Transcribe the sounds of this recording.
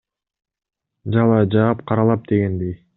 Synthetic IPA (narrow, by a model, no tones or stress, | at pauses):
d͡ʒɑlˠɑd͡ʒɑːpqʰɑɾɑlˠɑp̚d̪̥e̞ɡend̪ej